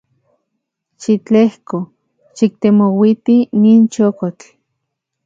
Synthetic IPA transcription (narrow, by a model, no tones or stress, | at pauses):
ʃit͡ɬehko | ʃik̚t̪emowit̪iniːnt͡ʃokot͡ɬ